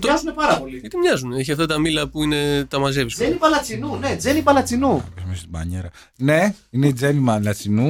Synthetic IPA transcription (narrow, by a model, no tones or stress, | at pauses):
mɐzunepɐɾɐpo̞liɐt̪imɲɐzuneçiɐft̪ɐt̪ɐmilɐpuine̞t̪ɐmɐzeviszenipɐlɐt͡sinune̞d͡ze̞nipɐlɐt͡sinupisumest̪ibɐ̰ɲeɾɐ | ne̞ine̞id͡ze̞nimɐlɐt͡sinu